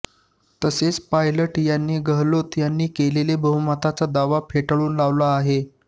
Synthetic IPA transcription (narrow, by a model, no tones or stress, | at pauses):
t̪əset͡spajləʈjanːiːɡəɦlot̪janːiːkelelebəɦumat̪at͡sad̪aʋapʰeʈəɭuːnlaʋlaːɦe